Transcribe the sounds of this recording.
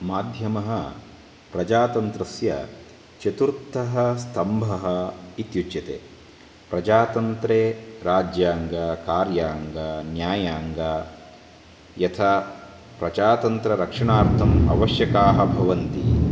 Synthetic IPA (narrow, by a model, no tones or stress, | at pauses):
maːd̪ʱjɐmɐɦɐ | pɾɐd͡ʒaːt̪ɐnt̪ɾɐsjɐ̰ | t͡ʃɐt̪uɾt̪ːɐɦɐst̪ʰɐmbʱɐɦɐ̆it̪jut͡ʃjɐt̪ḛː | pɾɐd͡ʒaːt̪ɐnt̪ɾeːɾaːd͡ʒjaːŋɡɐkaːɾjaːŋɡanjaːjaːŋɡa | jɐt̪ʰa | pɾɐd͡ʒaːt̪ɐnt̪ɾɐɾɐkʂɐɳaːɾt̪ʰɐmɐ̰ʋɐʃjɐkaːɦɐbʱɐʋɐnt̪i